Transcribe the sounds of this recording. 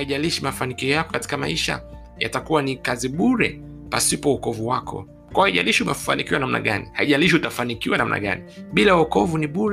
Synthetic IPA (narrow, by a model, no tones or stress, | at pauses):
aiʄaliʃimafanikiɔjakɔ̥kati̥kama̰iʃa̰ | ja̰takuwanikaziɓuɾɛ̰ | pasipɔukɔvuwakʰɔ̰ | kwahaiʄa̰liʃiumafa̰nikiwanam̩na̰ɠa̰nḭhaiʄaliʃ̬iutafanikiwanamnʔa̰ɠa̰niɓilauɔkɔvuniɓuɾ